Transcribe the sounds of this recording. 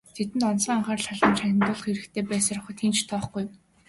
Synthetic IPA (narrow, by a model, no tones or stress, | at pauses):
t̪ʰet̪ɘ̆nt̪ɔnsəːŋaɴχaːrɮaɮə̆mt͡ɕʰanʲɪ̆nt̪ʊːɮə̆χiɾɘ̆kt̪ʰeːpæːsaːrχə̆t̪ʰiːnt͡ɕt̪ʰɔːχɡuj